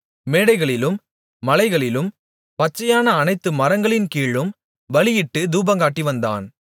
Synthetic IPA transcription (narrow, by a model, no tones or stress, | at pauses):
meːɽɐɪɣɐɭɪlɯmː | ɐlɐɪɣɐɭɪlɯm | pɐt͡ʃːɐjaːnɐːnɐɪt̪ːɯmɐɾɐŋɡɐɭɪnkiːɭɯm | ʋɐɭɪjɪʈːɯd̪uːbɐŋɡaːʈːiʋɐnd̪a̰ːn